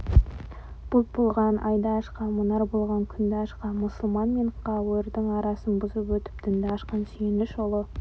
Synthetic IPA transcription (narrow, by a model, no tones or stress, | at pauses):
b̥ʊl̚bolˠʁɑnʔɑjd̪ɑːʃqɑmʊnɑɾbolˠʁɑŋkʲʰʏnd̪ɪɑʃqɑmʊsəlˠmɑnme̞ɴqʰɑwɾd̪əŋɑɾɑsənbʊzəpwɵt̪ɪ̥p̚d̪̥ɪnd̪ɑɑʃqɑnsyjɪnd̪ɪʒolˠə